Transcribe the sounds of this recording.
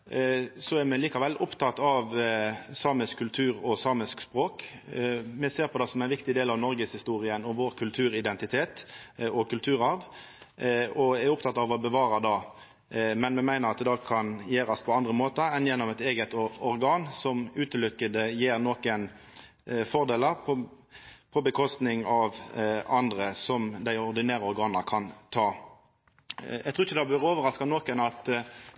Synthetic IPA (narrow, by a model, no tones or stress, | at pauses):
sɔæɾmɛliːkɑʋɛlʔʊpt̪ʰɑt̪ːɑʋsɑːməskʰʉlt̪ʰʉːɾɔsɑːməskspʁoːk | mɛseːɾpʰɔd̪ɛsɔmæɪnʋɪkt̪ɪd̪eːlɑʋnɔɾɡəshɪst̪uːɾɪənɔʋoːɾkʰʉlt̪ʰʉːɾɪd̪ɛnt̪ɪt̪ʰeːt̪ɔkʰʉlt̪ʰʉːɾɑʋ | ɔæɾʊp̚t̪ʰɑt̪ːɑʋɔbəʋɑːɾɑd̪ɑ | mɛnmɛmæɪnəɾɑt̪̚d̪ɑkʰɑnjeːɾɑspʰɔɑnd̪ʁəmoːt̪əɾɛnjɛnːɔmɛt̪eːɡət̪ɔɾɡɑːnsɔmʉːt̪əlʏkːəd̪əjeːɾnoːkən | fɔʁd̪eːləʁpɔ | pʰɔbəkʰɔst̪nɪŋɑʋɑnd̪ʁəsɔmd̪æɪɔʁd̪ɪnæːʁəɔʁɡɑːnəɾkʰɑnt̪ʰɑː | jɛɡt̪ʰʁuːɪçəd̪ɑbøɾoːʋəɾɑskɑnoːkənɑt̪